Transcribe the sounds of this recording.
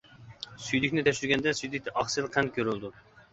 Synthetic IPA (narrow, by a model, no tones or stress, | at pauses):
syjlykʲnɪt̪ʰɛʃyɾɡʲɛnd̪ɛsyjlik̚ʲt̪ɛʔɑχsɨlˠqʰɛnkʲʰøɾylˠd̪u